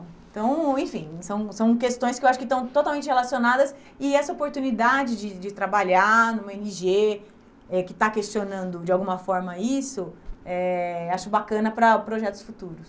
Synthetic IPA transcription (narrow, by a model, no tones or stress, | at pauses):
t̪ɐ̃w̃ẽj̃fĩsɐ̃w̃sɐ̃w̃kest̪õj̃skɪewaʃʊ̥kɪt̪ɐ̃w̃t̪ot̪awmẽnt͡ʃɪhelasionad̪ɐs | ɪɛsɐopoɾt̪unid̪ad͡ʒɪd͡ʒɪd͡ʒɪt̪ɾabaʎanũmeniʒe | ɛkɪt̪akest͡ʃonɐ̃nd̪ʊd͡ʒɪawɡũmɐfɔɾmɐisʊɛaʃʊbakɐ̃nɐpɾɐpɾoʒɛt̪ʊ̥sfut̪uɾʊs